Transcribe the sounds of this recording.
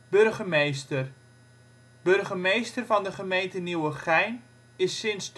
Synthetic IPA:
b̥ørχəmejstər | b̥ørχəmejstərvɑndəχəmejntəniwəχɛjn | ɪsːɪnsd

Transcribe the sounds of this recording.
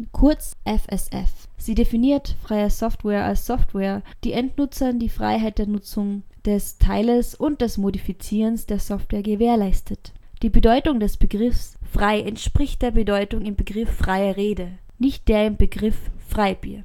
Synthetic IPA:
kʰʊɐt͡sʔɛfɛsʔɛ̰f | z̥iːdefiniːɐtfʁ̥aɪɐsɔftwɛːɐʔa̰lsːɔftwɛːɐd̥iːʔɛntnʊt͡sɐndiːfʁ̥a̰ɪɦaɪt̚d̥eːɐnʊt͡sʊŋd̥ɛstʰaɪləsʔʊnt̚d̥ɛsmodifit͡siːʁənsd̥eːɐsɔftv̥wɛːɐɡəveːɐlaɪstʰətd̥iːbədɔʏtʊŋdɛsb̥əɡʁɪfsfʁ̥aɪʔɛntʃpʁ̥ɪçt̚d̥eːɐbədɔʏtʊŋɪmbəɡʁɪfːʁ̥aɪɐʁeːdə | nɪçt̚d̥eːɐɪmb̥əɡʁɪffʁ̥aɪbḭːɐ

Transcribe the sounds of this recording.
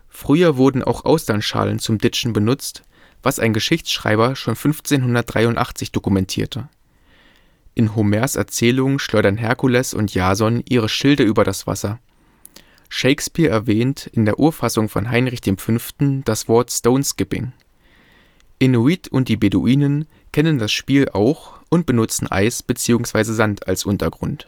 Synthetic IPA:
fʁ̥yːɐvʊɐdn̩ʔa̰ʊxʔa̰ʊsd̥anʃa̰ːlə̰nt͡sʊmdɪt͡ʃn̩bənʊt͡st | v̥asa̰ɪnɡəʃɪçt͡sʃʁ̥a̰ɪbɐʃoːnfʏnft͡seːnɦʊndɐt̚d̥ʁaɪʊntʔa̰χt͡sɪçd̥okumɛntʰḭːɐtʰə | ʔɪnɦʊmɛɐsɛ̰ɐt͡sɛːlʊŋənʃlɔʏɾɐnɦɛɐkulɛsʊ̰ntjaːzɔnʔiːʁ̞əʃɪldəyːbɐɾasv̥a̰sɐ | ʃeɪkspiːɐɛɐvɛːntʰɪndeːɐʔuːɐfasʊŋfɔ̰nɦaɪnʁɪçd̥eːmfʏnftn̩d̥asv̥ɔɐtstoʊnskɪpɪ̰ŋ | ʔɪnuiːtʰʊnt̚d̥iːbedṵʔiːnən | kʰɛnəndasʃpiːlʔa̰ʊxʔʊnt̚b̥ənʊt͡sn̩ʔa̰ɪsb̥ət͡siːʊŋsv̥aɪzəzantʰa̰lsʔʊntɐɡʁʊ̰nt

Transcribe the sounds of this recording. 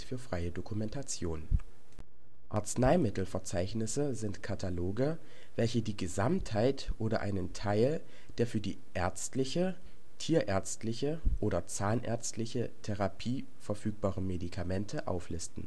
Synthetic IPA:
fyːɐfʁ̥aɪədokumɛntʰat͡sjoːn | ʔa̰ɐt͡snaɪmɪtl̩fɛɐt͡saɪçnɪsəzɪntkʰatʰaloːɡə | vɛlçədiːɡəzamthaɪtʔoːɾɐʔa̰ɪnəntʰaɪl | d̥eːɐfyːɐdḭːʔɛɐt͡stlɪçə | tʰiːɐʔɛɐt͡stlɪçəʔoːɾɐt͡saːnʔɛ̰ɐt͡stlɪçətʰeʁapʰiː | fɛɐfyːk̚b̥aːʁəmedikʰamɛntʰəʔa̰ʊflɪstn̩

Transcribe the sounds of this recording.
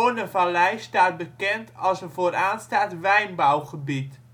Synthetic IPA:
onəvalɛjstaːt̚bəkɛntʰɑlˠsəvoːɾaːnstaːtʋɛjnbawχəbit

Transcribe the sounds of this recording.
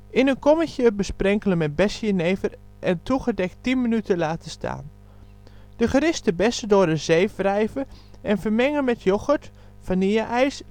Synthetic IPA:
ɪnənkɔməçəbəsprɛŋkələnmɛt̚bɛsjəneːvər | ʔɛntʰuɣədɛk̚ttinmənytʰəlaːtəstʰa̰ːn | d̥əχərɪstəbɛsədʊːrdəzeːfrɛjvə | ʔɛnfərmɛŋəmɛtʰjoxət | faniəʔɛjs

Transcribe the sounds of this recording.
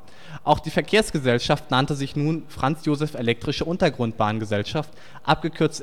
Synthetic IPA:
ʔaʊxd̥iːfɛɐkʰeːɐsɡ̥əzɛlʃaftnantəzɪçnuːnfʁ̥ant͡sjoːzɛfelɛk̚tʁ̥ɪʃəʔʊntɐɡʁʊnt̚b̥aːnɡəzɛlʃaft | ʔap̚ɡ̥əkʰʏɐt͡st

